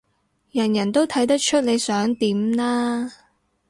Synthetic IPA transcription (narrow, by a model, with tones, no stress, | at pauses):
jɐ˨˩njɐ˨˩nt̪o˥wt̪ʰɐ˨˥jt̪̬ɐ˥k̚t͡ʃʰɵ˥t̚le˨˧jsœː˨˥ŋt̪iː˨˥mnaː˥